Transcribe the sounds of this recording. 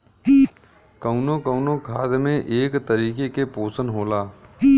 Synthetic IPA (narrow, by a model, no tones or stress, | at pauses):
kəʊnokəʊnokʰaːd̪mẽʔeːkt̪əɾiːkekepoːsənɦoːlaː